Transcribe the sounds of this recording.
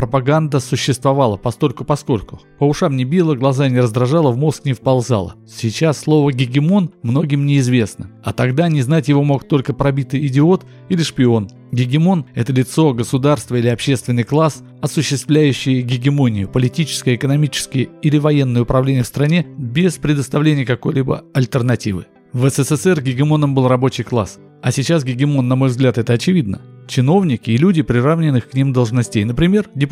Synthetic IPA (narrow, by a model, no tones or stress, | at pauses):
pɾəpɐɡand̪əsʊɕːɪst̪vɐvalˠəpɐsko̞lʲkʊpɐsko̞lʲkʊ̥pəʊʂamnʲɪbʲilˠəɡlˠɐzanʲɪɾəzd̪ɾɐʐalˠəvmo̞sknʲɪfpɐlˠza̰lˠə̰ | sʲɪt͡ɕasːlˠo̞vəɡʲɪɡʲɪmo̞nmno̞ɡʲɪmnʲɪɪzvʲe̞snəɐt̪ɐɡd̪anʲɪznatʲjɪvo̞mo̞kt̪o̞lʲkəpɾɐbʲit̪ɨjɪdʲɪo̞t̪ | ilʲɪʂpʲɪo̞n | ɡʲɪɡʲɪmo̞nɛt̪əlʲɪt̪so̞ɡəsʊd̪arst̪vəilʲɪɐpɕːe̞st̪vʲɪnːɨjklˠas | ɐsʊɕːɪst̪vlʲæjʉɕːɪjəɡʲɪɡʲɪmo̞nʲɪjʊpəlʲɪtʲit͡ɕɪ̥skəjɪkənɐmʲit͡ɕɪ̥skʲɪjəilʲɪvɐje̞nːɨjəʊpɾɐvlʲenʲɪjəfst̪ɾɐnʲe̞bʲɪspɾʲɪd̪əst̪ɐvlʲenʲɪjəkɐko̞jlʲibə̰ɐlʲt̪ərnɐtʲivɨ̰ | vɛsɛsɛsɛrɡʲɪɡʲɪmo̞nəmbɨlˠrɐbo̞t͡ɕɪjklˠa̰s | ɐsʲɪt͡ɕasɡʲɪɡʲɪmo̞nːɐmo̞jvzɡlʲat̪ɛt̪əɐt͡ɕɪvʲid̪nət͡ɕɪno̞vnʲɪkʲɪːlʲudʲɪpɾʲɪravnʲɪnːɨxkːnʲimd̪əlˠʐnɐsʲtʲejnəpɾʲɪmʲe̞rdʲɪ